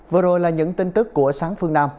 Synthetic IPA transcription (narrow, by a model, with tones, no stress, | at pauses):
və˨˩əzo˨˩jlaː˨˩ɲɨ̰˧˥ŋt̪i˧ŋt̪ɨ˦˥kːu˧˩əsaː˨˦ŋfɨ˧ənaː˧m